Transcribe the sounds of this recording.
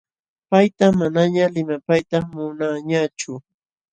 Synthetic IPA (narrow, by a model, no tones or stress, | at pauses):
pajt̪amːanaɲalɪmapajt̪amʊnaɲat͡ʃʊ